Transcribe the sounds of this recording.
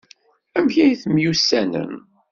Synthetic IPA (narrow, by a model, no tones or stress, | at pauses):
æmçæjθmjusːænə̰n